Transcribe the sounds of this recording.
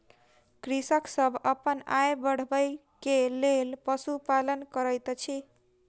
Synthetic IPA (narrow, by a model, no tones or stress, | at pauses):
kɾisəksəbʱəpəna̰jbəɽ̤bəj | kelelpəsupalənkəɾəjt̪t͡ʃʰi